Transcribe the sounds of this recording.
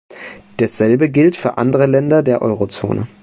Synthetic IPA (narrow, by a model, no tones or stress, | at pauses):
d̥asz̥ɛlbəɡɪltfyːɐʔa̰ndəʁəlɛndɐdeːɐʔɔʏʁot͡so̰ːnə̰